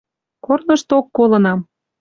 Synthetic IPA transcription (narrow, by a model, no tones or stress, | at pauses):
kornəʃt̪okːolɤ̆nɑm